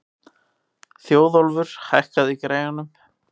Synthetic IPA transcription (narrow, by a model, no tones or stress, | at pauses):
θjoːwðɔlvʏɾ̥hajhkaðikɾejɣanʏm